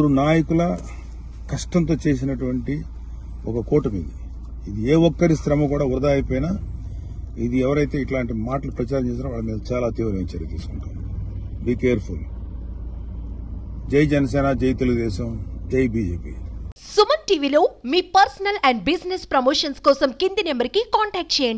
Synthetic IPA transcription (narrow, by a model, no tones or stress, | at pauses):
ɾunaːjɐkulɐ | kɐʂʈɐnt̪̬o̞ːt͡ʃeːs̬inɐʈuʋɐɳʈi | ɔkɐkoːʈɐmḭːd̪iː | d̪ieːɔkːɐɾiskɾɐmɐkuːɽaːuɾd̪aːjpoːjnaː | id̪iɛʋɐɾɐjt̪e̞ːiʈlaːɳʈimaːʈɐlupɾɐt͡ʃaːɾɐmt͡ʃeːs̬iːnːɐʋaːɭɐmiːd̪ɐt͡ʃaːlaːt̪iːʋɾɐʋint͡ʃɐɾɐt̪iːsu̥kuɳʈaːn | biːkeːɐɾpʰul | d͡ʒejd͡ʒɛnɐs̬ɛːnad͡ʒejt̪eluɣɡud̪ɛːʃɐmd͡ʒejbiːd͡ʒeːpḭsumɐɾʈiːʋilo̞ːmiːpɐɾsɐnɐlɛɳɖbisnespɾɐmoːʂɐnskɔːsɐmkind̪inembɐɾikikaːɳʈɛːk̚ʈ̚t͡ʃeːjɐɳɖi